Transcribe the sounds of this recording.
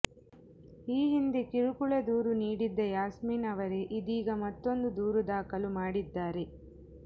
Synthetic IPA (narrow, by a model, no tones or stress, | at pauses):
iːɦind̪ekiɾukuɭɐd̪uːɾuniːɽid̪ːɐjaːsmiːnɐʋɐɾe̞ʔid̪iːɡɐmɐt̪ːo̞nd̪ud̪uːɾud̪aːkɐlumaːɽid̪ːaːɾe̞